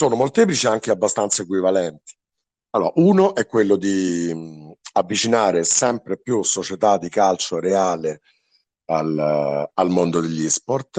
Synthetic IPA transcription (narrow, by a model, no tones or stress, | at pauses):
soːnomolt̪ɛːp̬lit͡ʃiaŋk̟eabːast̪ant̪saekwivalɛnt̪i̥ | alːoːɾa̰ʔuːnoʔɛkːwelːod̪i | avːit͡ʃinaːɾesɛmpɾepjusot͡ʃet̪ad̪ːikalt͡ʃoɾeaːle | alalmond̪od̪eʎːisport̪